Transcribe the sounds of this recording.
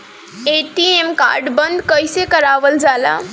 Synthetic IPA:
eʈiemka̰ɾɖbənd̪ʱkəjsekəɾaʋəld͡ʒala̰

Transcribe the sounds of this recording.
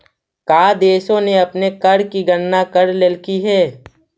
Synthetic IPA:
kaːd̪eːʃõneɐpnekɐɽkiɡənːakəɽlelkiɦɛː

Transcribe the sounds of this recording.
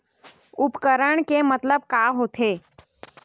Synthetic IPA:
ʊpkəɾəɳ̃kemət̪ləb̚kaɦot̪ʰeː

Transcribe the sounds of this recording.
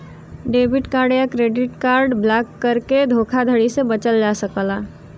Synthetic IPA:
ɖeːbɪʈkaːɾɖjakɾeːɖɪʈkaːɾɖblakːəɾked̪ʱokʰad̪ʱəɽisebət͡ʃəld͡ʒasəkəla

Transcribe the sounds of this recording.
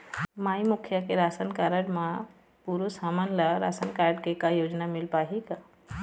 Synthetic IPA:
maːimukʰjakeɾaːsənkaɾəɖmã | puːɾosamənləɾa̰sənkaːɾɖkekajoːd͡ʒnamɪlpaːɦik

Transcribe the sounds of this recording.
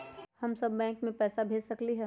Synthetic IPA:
hɐmsɐbːɛ̃ːŋkmẽpɛːsabʱeːd͡ʒsɐkliɦɛː

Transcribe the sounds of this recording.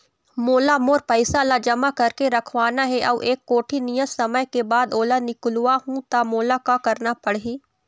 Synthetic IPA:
moːlamoːɾpɐɪsalad͡ʒɐmakɐɾkeɾɐkʰʋaːnaɦɛʔɐʋʔeːkːoːʈʰinijəsɐməjkebaːd̪oːlanɪkluaɦũt̪amoːlakakɐɾnapɐɽɦiː

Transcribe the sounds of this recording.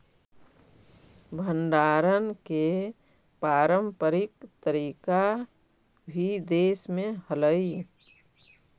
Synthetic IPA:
bʱə̃nɖaːɾənke | paːɾəmpəɾɪkt̪əɾiːka | bʱid̪eːsmẽhələi

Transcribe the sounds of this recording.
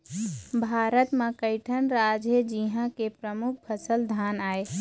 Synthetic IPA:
bʱaːɾət̪mãkəɪʈʰənɾaːd͡ʒjəd͡ʒiɦãkepɾəmʊkʰpʰəsəld̪ʱaːnaːeː

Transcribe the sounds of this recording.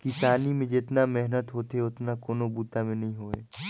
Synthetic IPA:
kɪsaːnimẽd͡ʒɪt̪namɛɦnət̪ɦoːt̪eʊt̪nakoːnobuːt̪amẽnɐɦĩɦoːḛː

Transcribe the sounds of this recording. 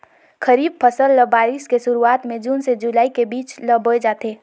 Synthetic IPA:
kʰəɾiːb̚pʰəsəlːəbaːɾiskesʊɾuaːt̪mẽd͡ʒuːnsed͡ʒulaːikebiːt͡ʃləbʱoed͡ʒaːt̪eː

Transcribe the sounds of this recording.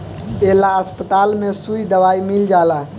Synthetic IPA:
elaəspət̪almesuid̪əʋaimild͡ʒala

